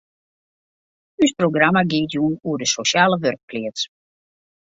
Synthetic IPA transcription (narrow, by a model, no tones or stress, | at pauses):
ysproɡramaɡɪːətjunuədəsoʃaːləʋørk̚plɪət